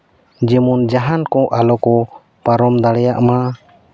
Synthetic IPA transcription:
d͡ʒɛmund͡ʒaɦankɔ̃ʔalɔkɔ | paɾɔmd̪aɽɛjaʔma

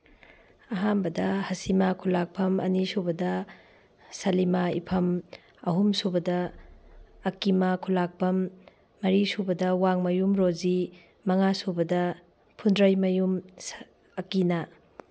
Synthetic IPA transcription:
ɐɦambɐdɐhɐsimakʰulak̚pʰɐmɐ̰nisubɐdɐ | sɐlimaḭpʰɐm | ɐɦumsubɐdɐː | kimakʰulak̚pʰɐmː | ɐɾisubɐdɐwaŋmɐjumɾozi | mɐŋasubɐdɐ | pʰundɾɐjmɐjum | ɐkinɐ

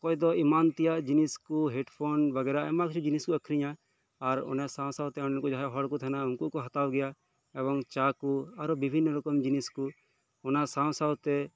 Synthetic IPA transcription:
kɔjd̪ɔimant̪ijaʔd͡ʒiniskuɦɛʈpʰonbəɡɛɾaɛmakt͡ʃʰud͡ʒiniskuɐkʰɾiɲaː | ɾɔ̰nɛsãwsawt̪ɛɔnɛnkud͡ʒaɦɛɦɔɽkut̪ʰanaunkuʔkɔɦat̪awɡɛja | ɛbɔŋt͡ʃakuaɾɔbibʱinːɾukɔmd͡ʒinisku | ɔnasaw̃sawt̪ɛ

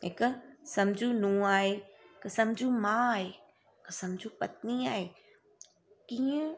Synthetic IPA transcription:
ɦɪksɐ̃md͡ʑʱũnũːaːɦeːksɐmd͡ʑʱũmãɦeː | ɪksɐ̃md͡ʑʱũpɐt̪̚niaːɦeː | kiːə̃

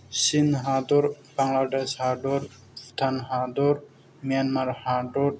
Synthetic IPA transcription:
sinɦad̪ɔɾ | baŋlaɖeshaɖɔɾ | st̪ʰanɦad̪ɔɾ | mijanmaɾhaɖɔɾ

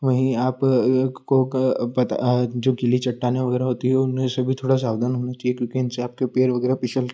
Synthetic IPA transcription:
ʋɐɦĩaːpkopɐt̪a̰d͡ʒoːɡɪlit͡ʃɐʈːanɦẽʋɐɡɛːɾaɦoːt̪iɦɛʊnɦẽsɐbʱit̪ʰoːɽas̬aːʋd̪ʱanɦoːnat͡ʃaːiekjõːkiɪnseaːp̚kepeːɾʋɐɡɛːɾapɪt͡ʃəl

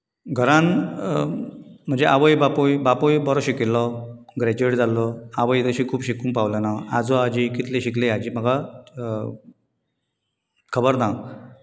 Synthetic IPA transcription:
ɡʱəɾãn | m̤əɳnd͡zeʔaʋəjbapojbapojbɔɾɔɕikilːɔɡɾed͡ʑeɽd͡zalɔaʋəjt̪əɕikʰuːbɕikuːmpaʋlənaad͡zɔad͡ʑikit̪lẽɕiklead͡ʑiːm̤əɡa | kʰəbəɾna

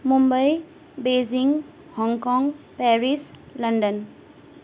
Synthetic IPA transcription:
mumbəj | beziŋ | hɔŋkɔŋpɛɾislʌndən

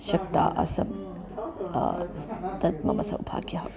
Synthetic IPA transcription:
ʃɐk̚t̪a̰ːʔɐ̰sɐm | t̪ɐt̪̚mɐ̰mɐsɐ̰wbʰʱa̰ːkjɐɦɐm

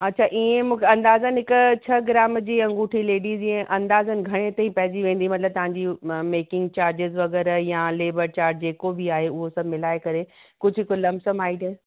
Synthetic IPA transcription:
ɐtːt͡ɕʰaʔiẽmũːkʰeɐ̃nd̪aːzənɪɦɪkʊt͡ɕʰɐɡɾaːmd͡ʑiːɐ̃ŋɡuːʈʰileːɖiːziẽʔɐ̃nd̪aːzənɪ̆ɡʱɐɽ̃et̪aːĩpɐɦɪziʋẽːn̆d̪imɐt̪ɪləb̚t̪ɐʋ̤ãːɲd͡ʑimeːkɪ̃ŋɡt͡ɕaːɾd͡ʑɪzʋɐɣɛːɾjãleːbəɾt͡ɕaːɾʈd͡ʑeːkobiaːɦeʊɦosɐbmɪlaːekɐɾekʊd͡ʑʱɦɪkolɐmsəmaːiɖ̪

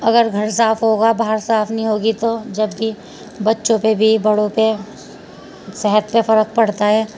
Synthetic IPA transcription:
ɐɡəɾɡʱɐɾs̬aːfɦoːɡabaɦəɾsaːfnəɦĩɦoːɡit̪od͡ʒɐbːi | bɐtːʃõpebʱibɐɽõpe | sɛɦət̪pefɐɾək̚pɐɽt̪aɦɛː

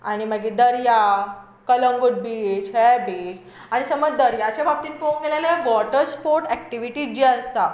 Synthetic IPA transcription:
a̰ɽ̃iməɡid̪əɾja | kələŋɡuʈ̚bid͡ʑɦɛbid͡ʑ | aɽ̃isəməd͡zd̪əɾjat͡ɕjabab̚t̪iːnpoŋɡelalʋɔʈəɾspoɾʈɛk̚ʈiʋiʈiːd͡ʑiəst̪a

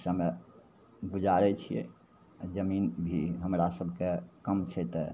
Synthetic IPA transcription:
same | bud͡ʒaɾɛt͡ʃʰijḛ | d͡ʒəminbʱiɦəmɾasəbʱkekəmt͡ʃʰɛt̪ɛ

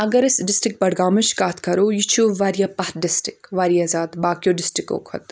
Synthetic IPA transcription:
ɐɡɐɾɪsɖɪsʈɾɪk̚bɐɽɡaːmɨʃkaːt̪ʰkɐɾoːjit͡ʃʰuːʋaːɾijaːpɐɦ̪ɖɪsʈɪkʋaːɾijaːzaːd̪baːkijoːɖɪsʈɾɪko̰ːkʰɐ̰t̪

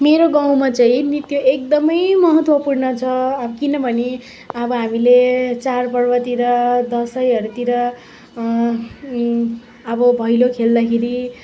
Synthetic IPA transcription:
meɾoɡãw̃mat͡saĩnit̪joek̚d̪ʌmʌjmʌɦʌt̪wʌpurnʌt͡sʰʌːbʌkinʌbʱʌne | ʌbʌɦamilet͡sarpʌrbʌt̪iɾʌd̪ʌsʌjʌɾut̪iɾʌ | ʌbʌbʱʌjlokʰeld̪akʰeɾi

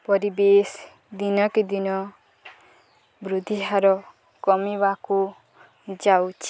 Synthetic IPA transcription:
pɔɾibes | d̪inɔkid̪inɔ | bɾud̪ʱiɦaɾɔ | kɔmibaku | d͡ʒawt͡ʃʰi̥

